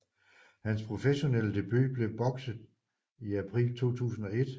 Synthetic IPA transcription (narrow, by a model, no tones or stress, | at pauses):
hænspʰʁo̝feɕo̝nel̰əd̥e̝b̥y̰ːb̥le̝ʊb̥ɒ̽ɡ̥sð̩ˠ | iæpʰʁḭːlt͡sʰo̝̰ːt͡sʰṵːsn̩ɒ̽e̝d̥